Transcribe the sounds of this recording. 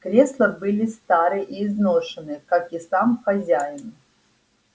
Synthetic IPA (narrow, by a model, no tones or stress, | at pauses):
kɾʲeslˠəbɨlʲɪst̪aɾɨʔiːznoʂɨnɨkakisamxɐzʲajɪn